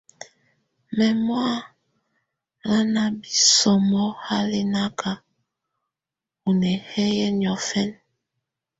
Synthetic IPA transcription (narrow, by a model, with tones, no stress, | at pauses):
mɛ˨mwa˦ | ɾa˦na˦bi˦sɔ˨mɔ˦ha˦li˦na˦ka˨ | u˨nɛ˨hɛ˦jɛ˦ɲ˨ɔ˨fɛ˦n